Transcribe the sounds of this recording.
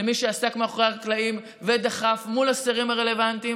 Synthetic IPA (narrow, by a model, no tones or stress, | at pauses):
miʃeasakmeaχoʁeaklaim | ved̪aχafmulaseʁimaʁe̞le̞vant̪i